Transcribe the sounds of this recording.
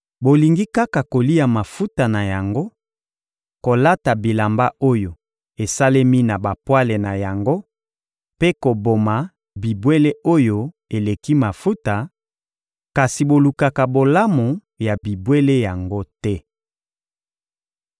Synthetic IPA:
bo˨li˨ŋɡi˦ka˦ka˨ko˨li˦a˨ma˨fu˦ta˨na˨ja˨ŋɡo˦ | ko˨la˦ta˨bi˨la˨mba˦o˦jo˨ | e˨sa˦le˦mi˦na˨ba˨pwa˦le˨na˨ja˨ŋɡo˦ | pe˦ko˨bo˨ma˨ | bi˨bwe˦le˦ʔo˦jo˦ | e˨le˨ki˦ma˨fu˦ta˨ | ka˨si˨bo˨lu˨ka˨ka˨bo˨la˦mo˨ | ja˨bi˨bwe˦le˦ja˨ŋɡo˦tɛ˦

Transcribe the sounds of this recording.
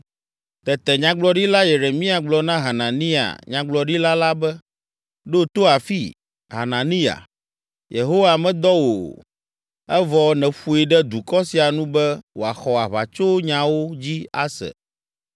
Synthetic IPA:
t̪ɛ˨t̪ɛ˨ɲã˨ɡ͡blɔ˦ɖi˦la˦je˨ɾe˨mĩ˦a˨ɡ͡blɔ˨nã˦ɦa˨nã˨nĩ˦a̰˨ɲã˨ɡ͡blɔ˨ɖi˦la˦la˦bɛ˦ | ɖo˦t̪o˦a˨fi˦ | ɦa̰˨nã˨nĩ˦a̰˨ | je˨ɦo˦wa˨mɛ̃˦d̪ɔ˦wo̰˨ | ɛ˦vɔ˨nɛ̃˨ɸu˨e˨ɖɛ˦d̪u˨kɔ˦si˨a˨nũ˦bɛ˦wo˨a˨xɔ˨a˨βa̰˨t͡ʃo˦ɲã˨wo˦d͡ʑi˦a̰˦sɛ̰˨

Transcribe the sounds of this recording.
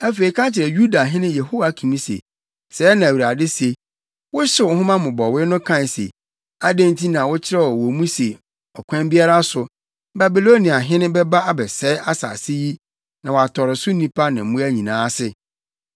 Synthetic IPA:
æ˦fe˨i˨kʰã˦t͡ɕʰɪ˨ɾɛ˨ju˦da˨ɦɪ̃˦nɪ̃˦je˨ɦo˦wa˨kʰĩ˨nĩ˦sḛ˨ | sɛː˨˦nã˨wi˨ɾa˨dɪ˦se˨ | wʊ˦ɕɪ˦wʊ˨˦hʊ̃˦mã˦mʊ̃˨bɔ˨wɪ˦nʊ̃˦kʰã˦˨n˨sḛ˨ | a˦dẽ˦ntʰi˦nã˨wʊ˦t͡ɕʰɪ˦ɾɛ˦wɔ˨wɔ˨mũ˦se˨ | ɔ˨kʷʰã˦m˦bi˦a˦ɾa˦sʊ˨ | ba˨bi˨lo˦nĩ˨a˨ɦɪ̃˦nɪ̃˦bɛ˦ba˦a˦bɛ˨sɛ˨˦a˦sa̰˨sɪ˦ji˦ | nã˨wa˨tʰɔ˨ɾɪ˨sʊ˦nĩ˦pʰa˦nɪ̃˨m̩˦mũ˦æ˦ɲĩ˨nãː˨˦sɪ˦

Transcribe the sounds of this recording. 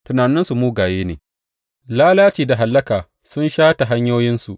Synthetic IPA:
tʊ˨naː˨nɪ˦nsu˨muː˦ɡaː˨jeː˦nḛː˨ | laː˦laː˦t͡ʃiː˨da˨ɦa˨lːɐ˦kaː˨ | sʊ˦nʃaː˦ta˨ɦa˦ɲjoː˦jɪ˦nsu˨ʔ

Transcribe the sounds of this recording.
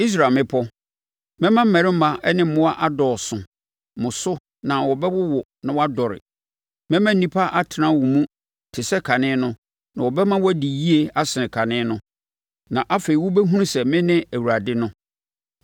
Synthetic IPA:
i˦s̬ɾa˨mɪ̃˦pʰɔ˦ | mɛ̃˦mã˦m̩˦mæ̃˨ɾɪ̃˦m̩˦mã˨ʔɛ˦nɪ̃˦m̩˦mʊ̃˦a˦ʔa˦dɔː˨sʊ̃˨ | mʊ̃˨sʊ˦ | nã˨wɔ˨bɛ˦wʊ˦wɔ˨ | nã˨wa˦dɔ˨ɾɪ̰˨ | mɛ̃˦mã˦n̩˦nĩ˨pʰa˦ʔa˦tʰɪ˨nã˦wu˨mũ˦ | tʰɪ˨sɛ˦kʰa˨nɪ̃˦nʊ̃˦ | nã˨wɔ˨bɛ˦mã˦wɔ˦di˨ji˦e˨a˦sɪ˨ɪ̃˨kʰa˨nɪ̃˦nʊ̃˦ | nã˨ʔa˦fe˨i˨wʊ˦bɛ˦ɦũ˦ũ˦sɛ˨mɪ̃˦nɪ̃˦æ˨wu˨ɾa˨dɪ˦nʊ̃˦

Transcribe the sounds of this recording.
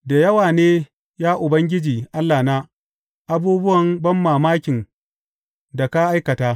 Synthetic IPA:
da˨jɐ˦waː˨neː˦ | jaː˦ʔʊ˨bɐ˦ŋɡʲɪ˦d͡ʒiː˨ʔa˦lːaː˨na˦ | ʔa˦buː˦bʊ˦wɐ˨mbɐ˦mːaː˨maː˦kʲɪ˨n | da˨ka˦ʔa˦jkɐ˨taː˦

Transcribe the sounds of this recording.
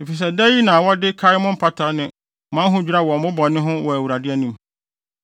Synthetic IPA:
e˨fi˨s̬ɛ˨dɛ˦ji˦nã˨wɔ˦dɪ˦kʰa˦ɪ˦mʊ̃˦m̩˦pʰa˦tʰa˨˦nɪ̃˨˦ | mã˦ɦʊ̃˦d͡ʑᶣu˦ɾa˦wɔ˨mʊ̃˦bɔ˨nɪ̃˦ɦʊ̃˦wɔ˨æ˨wu˨ɾa˨dɪ˦ɛ˦nĩ˦m

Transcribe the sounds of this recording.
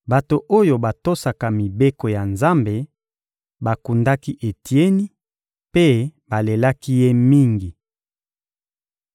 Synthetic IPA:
ba˨to˨ʔo˦jo˨ba˨to˦sa˨ka˨mi˨be˦ko˨ja˨nza˦mbe˨ | ba˨ku˨nda˦ki˦ʔe˨tʰi˨e˦ni˦ | pe˦ba˨le˨la˦ki˦je˦mi˦ŋɡi˨

